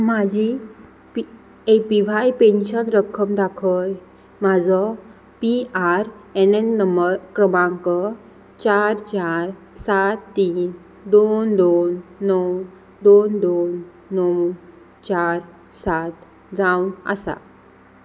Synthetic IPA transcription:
mad͡ʑi | pi | epiʋajpenɕənɾəkʰːəmd̪akʰəj | mad͡zɔ | piaɾɛnenːəmbəɾkɾəmãŋkɔ | t͡ɕaɾt͡ɕaɾ | sat̪ːiːn | d̪ond̪onːɔw | d̪ond̪onː | ɔw | t͡ɕaɾ | sat̪ | d͡zaunə̰sa̰

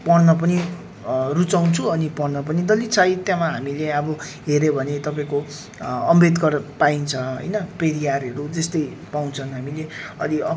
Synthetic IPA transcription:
pʌrnʌpʌni | rut͡saw̃nt͡sʰuʌnipʌrnʌp̬ʌnid̪ʌlit͡sʰajit̪jamaɦamileʌbʌɦeɾebʱʌnet̪ʌpaĩko | ʌmbed̪kʌrpaint͡sʰʌɦʌ̰jnʌpeɾijaɾɦʌɾud͡zʌst̪ʌj | pawnt͡sʰʌnɦamileʌliʌ

